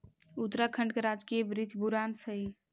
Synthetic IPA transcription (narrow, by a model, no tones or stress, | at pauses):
ut̪ɾakʰə̃ɳɖkeɾad͡ʒkijəbɾid͡ʒʱbuɾansəj